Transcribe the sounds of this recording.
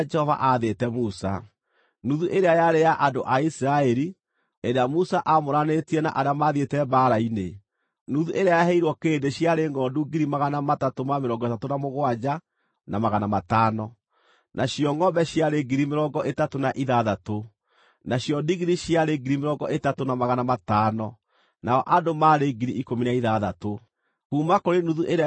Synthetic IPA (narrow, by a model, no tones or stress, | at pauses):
d͡ʒɛhɔva̰ʔaðetɛmusa̰ | nuðuʔeɾeajaɾeaʔandoʔaisɾaɛɾi | eɾeamusaʔamoɾanetiɛna̰ʔaɾeamaðietɛbaɾaine | nuðuʔeɾeajahɛiɾwɔkeːndeɕjaɾeŋɡɔːduɡiɾimaɣanamatatomameɾɔːŋɡɔetatonamoɣwad͡ʒa | namaɣanamataːnɔ | nʔaɕjɔŋɡɔbɛɕjaɾeɡiɾimeɾɔɡɔʔetatonaʔiðaðato | naɕjɔdiɣiɾiɕjaɾeɡiɾimeɾɔɡɔʔetatonamaɣanamataːnɔ | naɔʔadomaːɾeɡiɾiikominaiðaðato | kuːmakoɾenuðuʔeɾ